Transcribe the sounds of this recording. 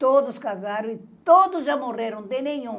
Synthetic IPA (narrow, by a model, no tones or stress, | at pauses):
t̪od̪ʊskazaɾɐ̃w̃it̪od̪ʊzʒamoreɾɐ̃w̃d̪enẽɲũ